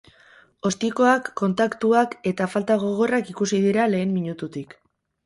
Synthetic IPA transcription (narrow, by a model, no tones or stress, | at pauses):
o̞st̪iko̞akːo̞nt̪akt̪uake̞t̪afalt̪aɣ̞o̞ɣ̞o̞rakikusið̞iɾale̞ːmmiɲut̪ut̪ik